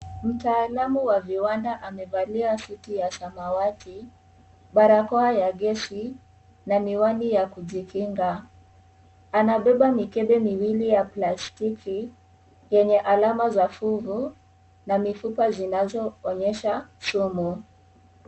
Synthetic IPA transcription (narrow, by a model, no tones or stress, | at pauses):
m̩taːlamuwaviwandaʔamɛvaliasutijasamawatʰi | ɓaɾakɔajaɠɛʃi | namiwanijakuʄikʰiŋɡa | anaɓɛɓamikɛɓɛmiwilijaplastikʰi | jɛɲɛʔalamazafuvu | namifupazinazɔɔɲɛʃasumu